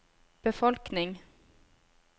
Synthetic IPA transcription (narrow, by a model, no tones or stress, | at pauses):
b̥əfɔlknɪŋ